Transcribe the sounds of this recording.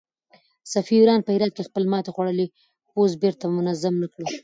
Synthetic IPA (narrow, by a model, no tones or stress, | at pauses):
safiuɾɑnpəhɪɾɑd̪̚kexpəlmɑt̪exwaɽəli | xosbeɾt̪amʊnazamnakɽu